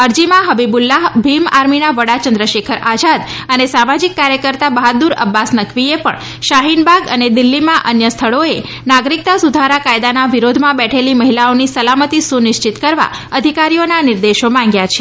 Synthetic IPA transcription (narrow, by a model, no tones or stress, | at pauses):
əɾd͡ʒimãɦəbibulːaɦbʱimaɾminaʋəɽat͡ʃənd̪ɾəʃekʰəɾad͡ʒad̪ənesamad͡ʒikːaɾjəkəɾt̪abəɦəd̪uɾə̰bːasnəkʰʋiepə̰ɳ | ʃaɦinbʱaɡəned̪ɪlːimãʔənjəst̪ʰəɭoe | naɡɾik̚t̪asud̪ʱaɾakajd̪anaʋiɾod̪ʱmãbɛʈʰeliməɦilaonisəlamət̪isunɪʃt͡ʃit̪kəɾʋa̰ | əd̪ʱikaɾijonanɪɾd̪eʃomãŋɡjat͡ʃʰe̥